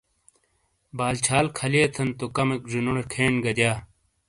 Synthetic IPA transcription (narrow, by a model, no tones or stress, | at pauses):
baːlt͡ɕʰaːlkʰɐlieːt̪ʰɐnt̪okɐmekʐinuɽekʰeːnɡɐd̪jaː